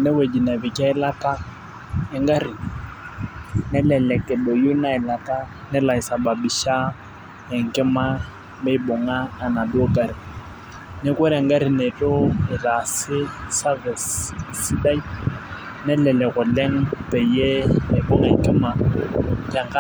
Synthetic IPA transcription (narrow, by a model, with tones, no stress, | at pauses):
nɛ˦we˨d͡ʒi˨na˨bɪ˨kʼa˦ɪ˦la˦kʼa˦ | ɪ˦ŋ˦ɡa˦ri˨ | nɛ˦lɛ˨lɛ˨kʼɛ˨lo˨ju˦na˦ɪ˨la˨ka˦ | nɛ˦la˨ɪ˨sa˨ba˨bi˨ʃa˦ | ɛ˨ŋ̩˨kʼɛ˦ma˦ | me˦i˦bɔ˨ŋaː˦˨na˨dʊ˦o˦kʼa˨ɾi˨ | nɪ˦kwɛ˦ɾɪɛ˨ŋ˦ɡa˦ɾi˨ne˨t͡ɬʼɔ˦ɪ˨la˨sɪ˦sa˦vɛ˨ssi˦da˦i˦ | nɛ˦lɛ˨lɛ˨ɣʊ˨lɛ˦ŋ̩˦pʼe˨je˦ɪ˨bɔ˦ŋa˦ŋ̩˦kʼɛ˦ma˨ | ka˨ŋ̩˦ka˦